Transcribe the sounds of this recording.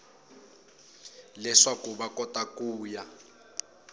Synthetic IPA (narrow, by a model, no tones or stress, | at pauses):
lɛʂakuβakɔtakuːja